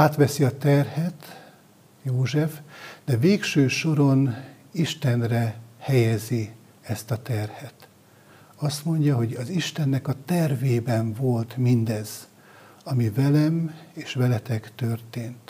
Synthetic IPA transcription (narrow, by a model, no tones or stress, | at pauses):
aːt̪ʋɛsiɒt̪ɛrhɛt̪ | joːʒɛfd̪̥ɛveːkʃøːʃo̞ɾo̞n | iʃt̪ɛnrɛhɛjɛzi | ɛst̪ɒt̪ɛrhɛt̪ | ɒst̪mo̞ɲɟɒɦo̞ɟɒziʃt̪ɛnːɛkɒt̪ɛrveːbɛɱvo̞lt̪mind̪ɛz | ɒmivɛlɛmeːʃʋɛlɛt̪ɛkt̪ørt̪eːnt̪